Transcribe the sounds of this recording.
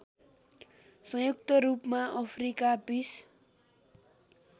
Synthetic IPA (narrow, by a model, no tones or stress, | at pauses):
sʌŋjuk̚t̪ʌɾupmaʔʌpʰrikabis